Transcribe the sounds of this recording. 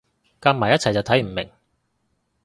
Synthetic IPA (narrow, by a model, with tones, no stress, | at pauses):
kaː˧˥maː˨˩jɐ˥t͡sʰjt͡sɐ˨wt̪ʰɐ˨˥jm̩˨˩mɪ̰˨˩ŋ